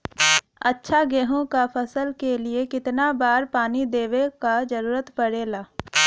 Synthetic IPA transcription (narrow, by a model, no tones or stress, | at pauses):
ɐtːʃʰaɡɛːɦõkapʰɐsəlkeliekɪt̪nabaːɾpaːnid̪eːʋekad͡ʒɐɾuːɾət̪pɐɽeːlaː